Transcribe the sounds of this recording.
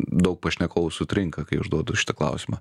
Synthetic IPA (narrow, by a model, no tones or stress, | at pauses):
d̪ɐʊk̚pɐʃʲnʲɛkoːʊsʊt̪ʲɾʲɪŋkɐkɐɪʊʒd̪uɔd̪ʊʃʲɪ̥t̪ɐklˠɐ̰ʊsʲɪmɐ